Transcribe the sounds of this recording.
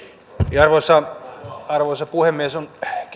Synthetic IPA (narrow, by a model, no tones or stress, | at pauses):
ɑrʋosːɑ | ɑrʋoisɑpuhemːiesonk